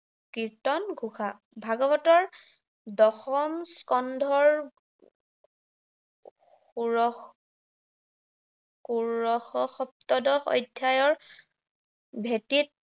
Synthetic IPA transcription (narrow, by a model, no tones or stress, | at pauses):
kitɔnɡʱuxa | bʱaɡɔbɔtɔɹ | dɔxɔmskɔndʱɔɹ | uɔ | kuɹɔxɔxɔp̚tɔdɔxɔ̰jdʱjajɔɹ | bʱetit̚